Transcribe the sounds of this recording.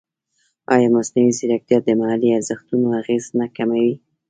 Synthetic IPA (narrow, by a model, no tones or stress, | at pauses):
ɑjɑmasnawiziɾak̚d̪jɑd̪əmahaliazəxt̪unoaɣeznakamawi